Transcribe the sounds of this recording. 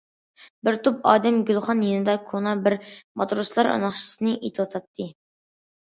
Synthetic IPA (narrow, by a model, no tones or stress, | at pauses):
bɪɾt̪ʰupɑ̰ːd̪ɛmɡʲylˠχɑnjenɪd̪ɑkʰonɑbɪɾmɑ̰t̪ɾuslˠɑɾɑ̰nɑχʃʰi̥sɨnɨʔit̪ʰɨwɑt̪ʰɑt̪ʰːɨ